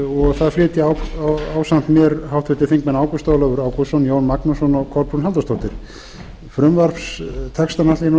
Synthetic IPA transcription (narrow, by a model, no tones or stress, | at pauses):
ɔɣθaðflɪːt̪ɪawawsan̥t̪mjɛɾhawht̪vɪt̪ɪɾ̥θiŋkmɛnaːwkɔst̪awlœvʏɾaːwkɔsɔnjoːwnmaknɔsɔnɔɣkʰɔɾpɾunɦɛlt̪ast̪ʰɔht̪ɪɾ̥ | fɾʏmvar̥fst̪ʰɛkst̪anat̪ɪn